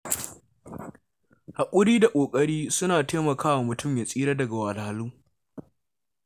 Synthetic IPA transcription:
ha˨kʷʼʊ˦ɽiː˦da˨kʷʼoː˨kʼɐ˦ɽiː˦sʊ˦naː˨teː˦mɐ˨kʰaː˦wa˨mʊ˨tʊ˦˨mjaː˨sʼiː˦ɾa˦dɐ˨ɡa˨wa˨la˨luː˦

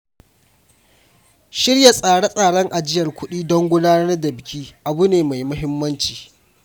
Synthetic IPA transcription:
ʃɪ˦rja˨sʼaː˨ɽa˦sʼaː˨ɽɔ˦ŋʔa˨d͡ʒɪ˦jɐ˨rkʷʊ˦ɗiː˦dɔ˦ŋɡʷʊ˦daː˦nɐ˦rɐ˦rdɐ˨bɪ˨kʲʰiː˦ʔa˨bu˦neː˨ma˨jmʊ˦ɦɪ˦mːɐ˦nt͡ʃi̥ː˨

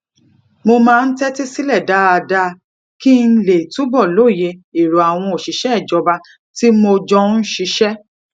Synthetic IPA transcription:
mo˧mãː˦˧n̩˦tɛ˦te˦si˦lɛ˦˨da˨˦a˧da˧ | ki˦n̩˦le˨tu˦bɔ˦˨lo˦˨je˧i˨ɾo˨a˨w̃ɔ̃˧o˨ʃi˨ʃɛ˦ɛ˦˨d͡ʒɔ˧˦ba˧ | ti˦mo˧d͡ʒɔ˧˦n̩˦ʃi˧ʃɛ˦

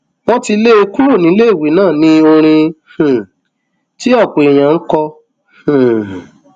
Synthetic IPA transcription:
wɔ̃˦ti˧le˦e˧ku˦ɾo˦˨nĩ˨˦le˦i˦˨wi˨˦nãː˦˨nĩ˦o˧ɾ̃ĩ˧hũ˨ | ti˦ɔ˦˨k͡pe˨i˨j̃ã˨ŋ̩˦kɔ˧ | hũ˨

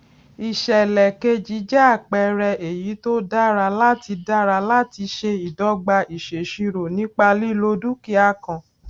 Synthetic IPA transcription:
i˨ʃɛ˨lɛ˨ke˧d͡ʒi˨˦d͡ʒɛ˦a˦˨k͡pɛ˨˧ɾɛ˧e˨ji˨˦to˦da˦ɾa˧la˦ti˧da˦ɾa˧la˦ti˧ʃe˧i˨dɔ˨˦ɡ͡ba˧i˨ʃe˨ʃi˧ɾo˨nĩ˨˦k͡pa˧li˦lo˧˦du˦ki˦a˧kã˨

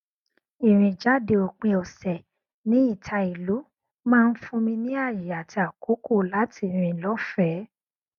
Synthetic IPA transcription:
i˨ɾ̃ĩ˨d͡ʒa˨˦de˧o˨k͡pe˧ɔ˨sɛ˨ | nĩ˨˦i˦˨tʰa˧i˨lu˨˦ | mãː˦˧n̩˦fũ˧mĩ˧nĩ˦a˦˨ji˨a˨ti˧a˨ko˨˦ko˦˨la˨˦tʰi˧ɾ̃ĩ˧lɔ˦fɛ˦

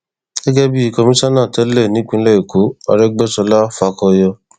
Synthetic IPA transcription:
ɡɛ˦ɡɛ˦bi˦i˧kɔ˧mĩ˦sã˦nãː˦˨tɛ˨˦lɛ˦˨nĩ˨˦k͡pĩ˧˦lɛ˦i˨ko˨˦a̰˧ɾɛ˦ɡ͡bɛ˦sɔ˧la˦fa˧kɔ˧jɔ˧

